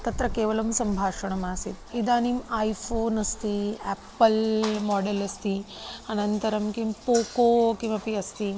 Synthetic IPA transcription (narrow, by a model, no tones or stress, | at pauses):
t̪ɐt̪ɾɐkeːʋɐlɐmsɐmbʱaːʂɐɳɐmaːsit̪id̪aːnimaːjfʰoːnɐst̪iɛːpːɐlmɔːɖelɐst̪i | ɐnɐnt̪ɐɾɐmkimpoːkoːkimɐpiɐst̪i